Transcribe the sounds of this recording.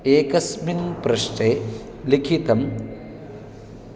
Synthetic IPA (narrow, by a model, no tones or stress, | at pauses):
eːkɐsminpɾɐʂʈe | likʰit̪ɐm